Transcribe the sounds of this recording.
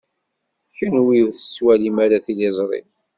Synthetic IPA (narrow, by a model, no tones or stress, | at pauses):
çənwiʊɾθə̥swælimæɾaθilezˤɾˤḭm